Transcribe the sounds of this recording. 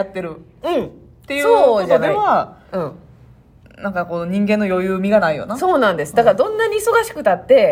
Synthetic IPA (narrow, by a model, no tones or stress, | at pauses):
at̪ːe̞ɾɯ̟ | ɯ̟̃ɴ | t̪ːe̞jɯsoeβaɯ̟̃ | nãŋkako̞ɲ̟ĩŋɡẽnːojo̞jɯːmʲiɡanaijo̞̰naso̞ːnãnd̪e̞sɨ̥d̪akaɾad̪õ̞nːaɲ̟iːso̞ɡaɕi̥kɯ̟t̪at̪ːe̞